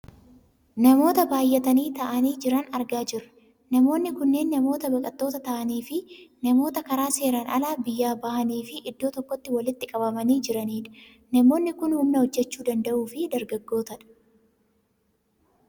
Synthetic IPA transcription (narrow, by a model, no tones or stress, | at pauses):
nɐmo̞ːt̪ɐbaːjːɛt̪ɐniːt̪ɐʔɐniːd͡ʒɪɾɐnɐɾɡaːd͡ʒɪɾɐ | nɐmo̞ːnːɪkʊnːeːnːɐmo̞ːt̪ɐbɐkʼɐt̪ːoːt̪ɐt̪ɐʔɐniːfɪnɐmo̞ːt̪ɐkɐɾaːse̞ːɾɐnʔɐ̰laːbɪjːaːbɐhɐniːfɪʔɪd̪ːo̞ːt̪ɔkːɔt̪ːɪwɐlɪt̪ːɪkʼɐbɐmɐniːd͡ʒɪɾɐniːᶑɐ | nɐmo̞ːnːɪkʊnhʊmnɐhɔd͡ʒːɛt͡ʃːuːd̪ɐnd̪ɐʔuːfɪd̪ɐɾɡɐɡːo̞ːt̪ɐᶑɐ̥